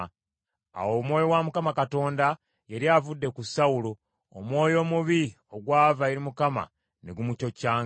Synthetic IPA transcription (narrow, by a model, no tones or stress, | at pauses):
a̰wo̞mwo̞ːjo̞wamukamakato̞ːnda | je̞ɾjavudːe̞kusawuloː | mwo̞ːjo̞ːmuβi | o̞ɡwaːvaje̞ɾimukama̰ | neɡumuco̞caːŋ